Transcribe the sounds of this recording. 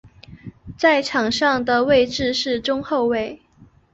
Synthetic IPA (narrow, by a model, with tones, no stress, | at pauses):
t͡sa˥˩ɪʈ͡ʂʰɑ˨˩ŋʂɑ˥˩ŋd̪ə˨we˥˧ɪʈ͡ʂɻ̩˥˧ʂɻ̩˥˩ʈ͡ʂʊ˥ŋxo˥˧ʊwe˥˩ɪ